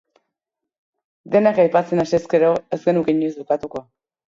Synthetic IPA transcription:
d̪enakajpat͡senaseskeɾoezɡenukiɲezβukat̪uko

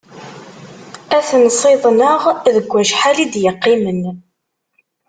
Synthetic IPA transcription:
æθnsˤɪðˤnəʁðəɡʷːæʃħalid̪jəqːimən

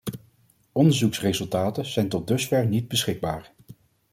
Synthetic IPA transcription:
ɔndəɹzuksrezɵlˠtaːtəz̥ɛjntɔd̚dɵsfɛɹnid̚bəsχɪɡ̚baːɹ

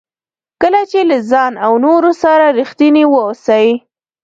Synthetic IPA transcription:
kəlat͡ʃelazɑnawnoɾosaɾaɾixt̪iniwəosaji

